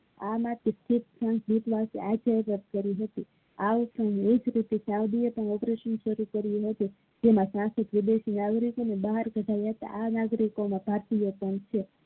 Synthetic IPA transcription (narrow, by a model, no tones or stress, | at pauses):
amat̪esʈʰipɾə̃ŋkbit̪ʋasḛad͡ʒajɾət̪̚kəɾiɦət̪i | apəɳed͡ʒɾit̪esawd̪ijepəɳɔpɾeʃənʃəɾukəɾijeɦət̪i | d͡ʒemãsãsik̪ʋɪd̪eʃinaɡɾikonebaɦaɾɡʱəʈʰajaɦət̪a̰ʔanaɡɾikomãbʱaɾt̪ijəpəɳt͡ʃʰe